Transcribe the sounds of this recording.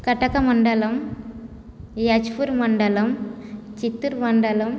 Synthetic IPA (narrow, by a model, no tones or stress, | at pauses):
kɐʈːɐkːɐmɐɳɖɐlɐm | jɐt͡ʃpuɾmɐɳɖɐlɐmt͡ʃit̪ːɯɾmɐɳɖɐlɐm